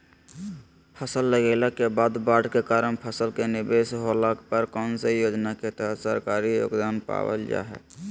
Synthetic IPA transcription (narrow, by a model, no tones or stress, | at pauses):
pʰəsəlːəɡeləkebaːd̪baːɖkekaːɾənpʰəsəlkenɪbesɦoləkpəɾkəʊnsejoːd͡ʒnaket̪əɦət̪səɾkaːɾijo̰ːɡd̪aːnpa̰wə̰ld͡ʒa̰ːɦɛ̰